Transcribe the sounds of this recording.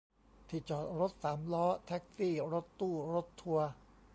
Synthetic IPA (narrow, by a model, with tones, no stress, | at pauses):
t̪ʰi˨˩t͡ɕɔː˨˩t̪̚ɾo˦˥t̪̚saː˩˦mlɔː˦˥t̪ʰɛ˦˥k̚siː˥˩ɾo˦˥t̪ːuː˥˩ɾo˦˥t̪ʰːu˧ɐ